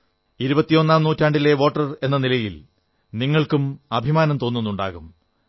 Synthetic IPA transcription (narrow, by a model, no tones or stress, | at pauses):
iɾubɐt̪ːijo̞nːaːmnuːtːaːɳɖile̞ʋo̞ːʈːɐre̞nːɐnilɐjil | niŋːɐɭkumɐbʱimaːnɐmt̪o̞ːnːunːuɳɖa̰ːɣum